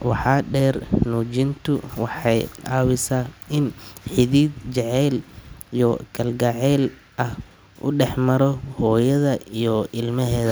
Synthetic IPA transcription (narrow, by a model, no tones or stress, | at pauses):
wɑħɑːɖɛːrnuːt͡ʃɪnt̪ʰʊwɑħɑjaːwɪsaɪnħɪðiːd̪t͡ʃɛʕɛːlijɔkʰɐlɡɐʕɛːl | ʔɐh | ʔʊ̰ɖɛħmɐɾɔhɔːjɐðɐijɔɪlmɐɦɛːðɐ